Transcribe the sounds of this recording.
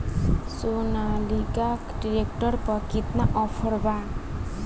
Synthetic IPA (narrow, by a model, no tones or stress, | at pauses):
sonaliɡakɖiɾek̚ʈʌrpʌkit̪maʔɔpʰʌɾba